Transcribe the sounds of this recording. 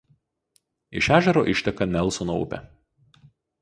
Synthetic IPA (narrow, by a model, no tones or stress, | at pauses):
ɪ̰ʃʲæːʒʲɛɾoːʔɪʃʲt̪ʲɛkɐnʲɛlˠˑsonoʊ̰pʲɛ̰